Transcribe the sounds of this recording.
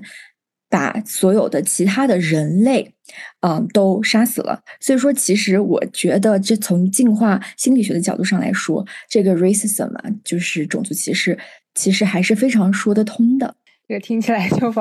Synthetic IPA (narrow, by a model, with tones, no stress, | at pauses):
pa̰˨˩swɔ˧˥jo˨˩ʊd̪ə˦t͡ɕʰi˧˥t̪ʰa˥d̪ə˨ɻə˧˥nle˥˩ɪ | ə˧˩t̪o˥ʊʂa˥sɹ̩˨˩lə̰˦swɔ˧˥i˨˩ʂ̬wɔ˥t͡ɕʰi˧˥ʂɻ̩˧˥wɔ̰˨˩t͡ɕɥɛ˧˥d̪ə˧ʈ͡ʂɤ˥˩t͡sʰʊ˧˥ŋt͡ɕi˥˧nxwa˥˩ɕi˥nli˨˩ɕɥɛ˧˥d̪ə˧t͡ɕɑ˨˩ʊt̪u˥˧ʂɑ˥˩ŋla̰˧˥ɪʂwɔ˥ʈ͡ʂɤ˥˩ɡə˩ɹe˥ɪsi˥˩sə̰˨˩mɐ̰˩t͡ɕjo˥˧ʊʂɻ̩˥˩ʈ͡ʂʊ˨˩ŋt͡su˥˩t͡ɕʰi˧˥ʂɻ̩˧˥ | t͡ɕʰi˧˥ʂɻ̩˧˥xa˧˥ɪʂɻ̩˥˩fe˥ɪʈ͡ʂʰɑ˧˥ŋʂwɔ˥d̪ə˨t̪ʰʊ˥ŋd̪ə̰˨ | ʈ͡ʂɤ˥˩ə˧˩t̪ʰi˥ŋt͡ɕʰi˨˩la˧˥ɪt͡ɕʰo˥f